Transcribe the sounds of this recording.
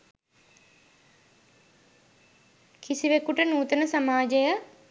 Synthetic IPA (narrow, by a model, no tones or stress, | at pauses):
kʰisiʋekuʈənuːt̪ənəsamaːd͡ʒejə